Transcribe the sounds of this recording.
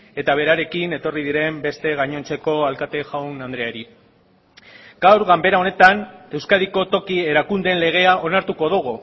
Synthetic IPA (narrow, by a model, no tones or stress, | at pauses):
e̞t̪aβe̞ɾaɾe̞kine̞t̪o̞rið̞iɾe̞mbe̞st̪e̞ɣaɲo̞nt͡se̞ko̞alkat̪e̞ʝawnand̪ɾeaɾi | ɡ̥awɾɣambe̞ɾao̞ne̞t̪ane̞wskaðiko̞t̪o̞kie̞ɾakund̪e̞nle̞ɣ̞e̞aʔo̞naɾt̪uko̞ðuɣ̞u